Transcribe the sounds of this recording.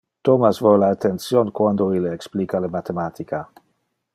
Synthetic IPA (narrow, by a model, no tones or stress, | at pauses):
t̪omasvolaːt̪ensjonkwand̪oileːksplikalemat̪emat̪ika